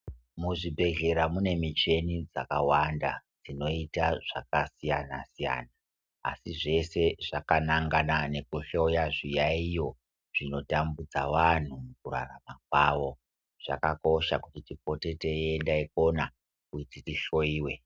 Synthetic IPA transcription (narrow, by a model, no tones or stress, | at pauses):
muʐibʱe̞ɮe̞ɾamune̞mit͡ʃe̞nid͡za̰kawandad͡zino̞itaʐ̥a̰kasijanasija̰na̰ː | siʐe̞se̞ʐakanaŋɡanane̞kuɬo̞jaʐijaijo̞ | ʐ̥ino̞tambud͡zaʋan̤umukura̰ramak̚waːʋo̞ | ʐ̥a̰kako̞ʃakutitip̚o̞te̞teendaiko̞na | kuititiɬo̞iːwe̞